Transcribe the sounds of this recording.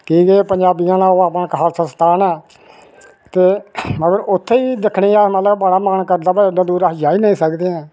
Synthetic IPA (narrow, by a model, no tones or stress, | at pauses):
kiːɡeːpəɲd͡ʒaːbijãːnãːoːaːpnãkaːlsənst̪aːnɛː | t̪eːəɡəɾʊt̪ʰːeːiːd̪ɪkʰniːaːmət̪ləbbəːɽaːmənkəɾd̪aːbad̪ãːd̪uːɾaːɦd͡ʒaːiːnəĩːsəkd̪eːãː